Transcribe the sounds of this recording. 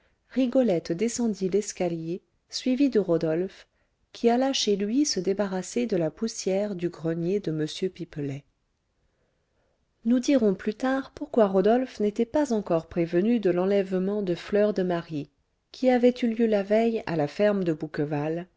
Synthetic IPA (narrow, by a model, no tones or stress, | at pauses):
ʁiɡɔlɛt̪d̪esɑ̃d̪ilɛskalje | sɥivid̪əʁɔd̪ɔlf | kʲʰialaʃelɥisəd̪ebaʁased̪əlapusjɛʁd̪yɡʁənjed̪əməsjøpiplɛ | nud̪iʁɔ̃plyt̪aʁpuʁkwaʁɔd̪ɔlfnet̪ɛpazɑ̃kɔʁpχevənyd̪əlɑ̃lɛvmɑ̃d̪əflœʁd̪əmaʁi | kʲʰiavɛt̪yljølavɛja̰lafɛʁmd̪əbukəval